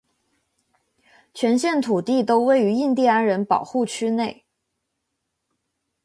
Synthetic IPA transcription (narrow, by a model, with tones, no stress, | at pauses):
t͡ɕʰɥɛ˧˥nɕjɛ˥˩nt̪ʰu˨˩t̪i˥˩t̪o˥ʊwe˥˩ɪy˧˥i˥˧nt̪i˥˧a˥nɻə˧˥npɑ˨˩ʊxu˥˩t͡ɕʰy˥ne˥˩ɪ